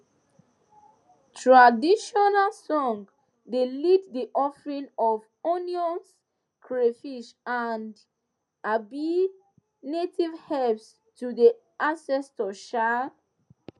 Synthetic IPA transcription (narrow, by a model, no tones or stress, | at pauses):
tʰɹadiʃɔnalsɔ̃ŋ | delitdiʔɔfɹĩnɔv | ɔniɔ̃ns | kʰɹefiʃand | abi | netivhɛps | tudi | ʔãsɛstɔʃa